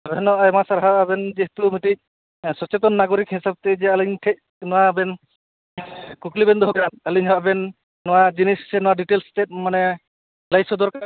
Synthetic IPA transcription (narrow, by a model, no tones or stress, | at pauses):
abɛnɔajmasaɾɦaabɛnd͡ʒiht̪umitic̚ | sɔt͡ʃɛt̪ɔnːaɡɔɾikhisab̚t̪ɛd͡ʒɛaliɲtʰɛc̚ | nɔwabɛn | kuklibɛnd̪ɔɦbɛɾanaliɲɦɔabɛnː | ɔwad͡ʒinissɛnɔwaɖiʈelstɛt̚manɛ | lajsɔd̪ɔɾka